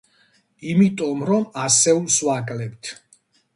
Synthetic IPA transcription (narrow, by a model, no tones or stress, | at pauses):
imit̪ʼɔmɾɔmasɛulswakʼlɛbt̪ʰ